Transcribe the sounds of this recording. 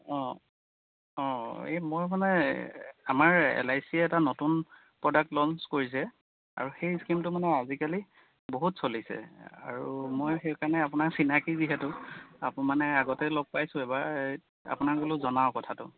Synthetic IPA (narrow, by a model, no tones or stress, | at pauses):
ɔ̃ | ɔ̃emojmanɛ | amaɹɛ̰lajsiɛɛtanotun | pɹɔdak̚tlɔnskoɹis̬ɛ | a̰ɹuxejskimtʊmanɛazikali | boɦutsolisɛ̰a̰ɹumojxejkaɹnɛapʊnaɹsinakiziɦɛtʊa̰pmanɛaɡɔtɛloɡ̚pajsʊ̃ɛba | a̰pʊnaɡolʊzɔnaʊkɔtʰatʊ̰